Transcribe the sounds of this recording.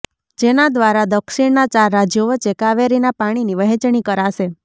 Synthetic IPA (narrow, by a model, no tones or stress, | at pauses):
d͡ʒenad̪ʋaɾad̪əkʃiɳnat͡ʃaɾːad͡ʒjoʋət͡ʃekaʋeɾinapaɽ̃iniʋəɦɛt͡ʃɳ̃ikəɾaʃe